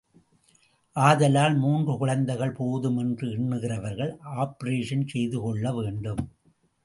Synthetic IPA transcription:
ʔaːðɐlaːlmuːndrɯkʊɻɐnd̪ɐɪɣɐɭpoːðɯmɛndrɯɪɳːɯɣɪrɐʋɐɾɣɐɭaːpɐɾeːʂɐnsɛjðɯkɔɭːɐʋeːɳɖɯm

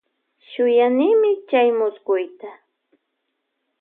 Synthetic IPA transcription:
ʃʊjanɪːmɪt͡ʃajmʊsɢʊjt̪a

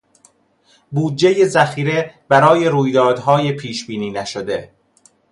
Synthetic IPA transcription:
buːd̪̚d͡ʒe̞je̞zæxiːɾe̞bæɾɒːje̞ɾuːjd̪ɒːd̪ɦɒːjepʰiːʃbiːniːnæʃod̪e̞

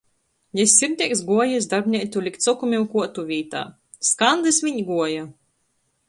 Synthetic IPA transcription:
jɛsʲiɾd̪ʲiɛksɡuɔjɛs̬d̪aɾbʲnʲit̪ulʲikt̪sɔkumʲimkuɔt̪uvʲiːt̪a̰ː | skand̪ɨsvʲiɲɡuɔja

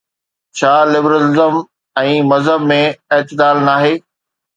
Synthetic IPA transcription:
t͡ɕʰaːlɪbɾəlɪzəm | ɛ̃ːmɐzɦəbmẽeːt̪ɪd̪aːlnaːɦeː

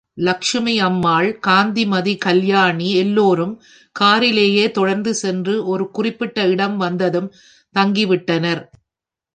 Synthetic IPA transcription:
lɐkʂɐmɐɪɐmːaːɭkaːnd̪imɐðikɐljaːɳiɛlːoːɾɯm | kaːɾɪleːjeːt̪ɔɽɐɾnd̪ɯsɛndrɯʔɔɾɯkʊrɪpːɪʈːɐɪɽɐmʋɐnd̪ɐðɯm | t̪ɐŋɡiʋɪʈːɐnɐɾ

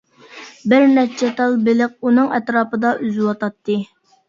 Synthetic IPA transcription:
bɪɾnɛt͡ʃʰɛt̪ɑlˠbɪlɪq̚unɨŋɛt̪ɾɑːpɨd̪ɑʔyzɪwɑt̪ʰɑt̪ːɨ

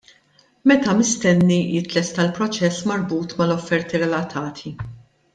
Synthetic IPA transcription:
mɛt̪ɐmɪst̪ɛnːijɪt̪lɛst̪ɐlpɾɔt͡ʃɛsːmɐɾbuːt̪mɐlɔfːɛɾt̪iɾɛlɐt̪ʰɐːt̪ʰi

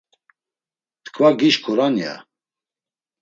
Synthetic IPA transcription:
t̪ʰkʰvaɡiʃkʰuɾanja̰

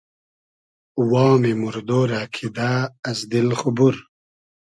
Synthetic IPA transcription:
wɑːmemuɾd̪oːɾaːkʰid̪aːzd̪ilχubuɾ

